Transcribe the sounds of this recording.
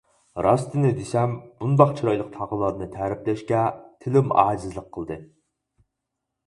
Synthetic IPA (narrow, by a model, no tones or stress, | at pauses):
ɾɑst̪ɨnɨd̪esɛmb̥und̪ɑqt͡ʃʰiɾɑjlˠəq̚t̪ʰɑʁəlˠɑd̪ɨnɨt̪ʰæɾɪplɛʃkʲɛt̪ʰɪlɪmɑ̰ːzɨzlˠəqʰːəlˠd̪ɨ